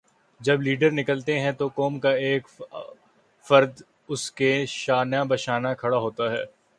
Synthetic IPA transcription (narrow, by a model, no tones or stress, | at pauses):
d͡ʒɐbliːɖəɾnɪkəlt̪eɦɛ̃t̪okoːmkaeːk | fɐɾd̪ | ʊskeʃaːnjabɐʃaːnakʰɐɽaɦoːt̪aɦɛ̰ː